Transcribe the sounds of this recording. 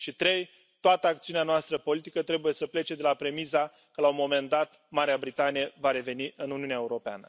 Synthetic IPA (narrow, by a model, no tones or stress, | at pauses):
ʃit̪ɾe̞j | t̪oat̪əakt̪siuneanoast̪ɾəpo̞lit̪ikət̪ɾe̞buje̞səple̞t͡ʃe̞d̪e̞lapɾe̞miza | kəlaumo̞me̞nd̪at̪ | maɾeabɾit̪anijevaɾe̞ve̞niʔɨnuniuneaeuɾo̞pea̰nə